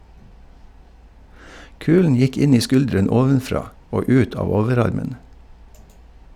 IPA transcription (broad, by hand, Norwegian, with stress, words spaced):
ˈkʉːln̩ ˈjɪk ˈɪn ˈiː ˈskʉldɾɛn ˈoːʋənˌfɾɑː ˈoː ˈʉːt ˈɑːʋ ˈoːʋəˌɾɑɾmən